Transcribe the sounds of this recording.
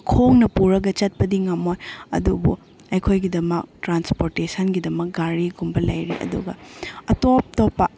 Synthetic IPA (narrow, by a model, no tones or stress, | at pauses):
kʰoŋnɐpuɾɐɡɐt͡ʃɐt̚pɐdiŋamojɐ̰dubṵ | ɐjkʰojɡidɐmɐk̚tɾanspoɾtesɐnɡidɐmɐk̚ɡaɾiɡumbɐlɐjɾḭʔɐ̰dṵɡɐ̰ɐtop̚topːɐ